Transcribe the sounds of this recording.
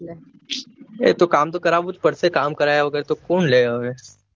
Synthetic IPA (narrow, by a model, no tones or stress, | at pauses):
ḛːt̪okaːmt̪okɐɾaːbʱut̪pəɽsekaːmkəɾaːjaʋɐɡɛɾt̪okoːnleːaʋe